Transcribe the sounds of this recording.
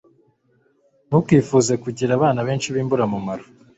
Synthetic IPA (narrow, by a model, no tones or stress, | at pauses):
nukwiːfuzekuɟiɾaβaːnaβe̞ːnt͡ʃiβiːmbuɾamumaɾo